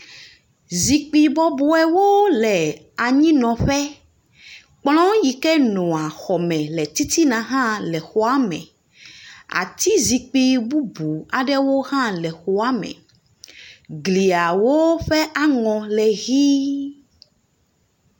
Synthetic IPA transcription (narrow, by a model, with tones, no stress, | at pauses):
zi˨k͡pi˦bɔ˦bu˦ɛ˦wo˦lɛ˨ | a˨ɲĩ˦nɔ̃˨ɸɛ˦ | k͡plɔ̃˦ji˨kɛ˦nɔ̃˨a˨xɔ˨mɛ̃˨lɛ˨t̪i˦t̪i˦nã˨ɦã˦lɛ˨xɔ˦a˦mɛ̰̃˨ | a̰˨t̪i˦zi˨k͡pi˦bu˦bu˨a˨ɖɛ˦wo˦ɦã˦lɛ˨xɔ˦a˦mɛ̰̃˨ | ɡli˨a˨wo˦ɸɛ˦ʔa˦ŋɔ̃˨lɛ˨ɣi˦